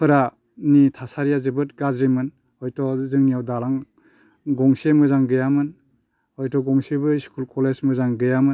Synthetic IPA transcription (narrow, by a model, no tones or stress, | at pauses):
pʰɯɾa | nitʰasaɾijazɯbɯt̚ɡazɾimɯn | ɔjtʰɔzɯŋnijawdalaŋ | ɡɔŋsemɯzaŋɡɯjamɯn | ɔjtɔɡɔŋsibɯskʰulkʰɔlesmɯzaŋɡɯjamɯ